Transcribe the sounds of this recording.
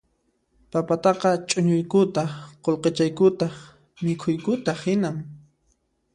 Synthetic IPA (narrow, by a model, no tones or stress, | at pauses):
papat̪ɑqɑt͡ʃʼʊɲʊjkʊt̪ɑqolqet͡ʃajkʊt̪ɑχ | mɪkʰʊjkʊt̪aχhɪnaŋ